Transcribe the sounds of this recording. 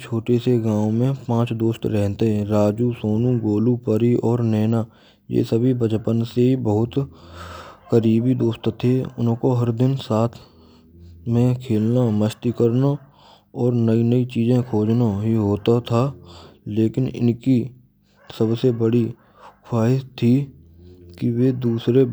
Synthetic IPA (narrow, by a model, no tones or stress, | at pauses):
t͡ʃʰoːʈeseɡãːw̃mẽpãːt͡ʃd̪oːst̪ɾɛɦt̪eɛ̃ɾaːd͡ʒusoːnũɡoːlupəɾiʔɔːɾnɛːna | jḛːsəbʱibəd͡ʒpənseɦibəɦʊt̪ | kəɾiːbid̪oːst̪t̪ʰeʊnɦkoɦɐɾd̪ɪnsaːt̪ʰ | mẽkʰeːlnaməʃt̪ikəɾna | ɔːɾnəinəit͡ʃiːzẽkʰoːd͡ʒnaɦiɦoːt̪at̪ʰaːleːkɪnɪ̰nki | səbsebəɽi | kʰaːɦɪʃt̪ʰi | kiʋed̪uːsɾe